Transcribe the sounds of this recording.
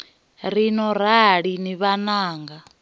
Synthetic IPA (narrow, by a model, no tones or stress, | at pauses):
ɾinɔɾ̤aɺiniβanaːŋɡa